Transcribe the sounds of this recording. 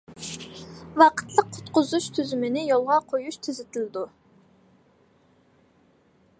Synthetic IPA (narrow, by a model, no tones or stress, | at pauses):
wɑqʰə̥t̪lˠəqʰːʊ̥t̪qʊzuʃt̪ʰyzymɪnɪjolˠʁɑqʰojuʃt̪ʰɪzɪt̪ʰɪlɪd̪u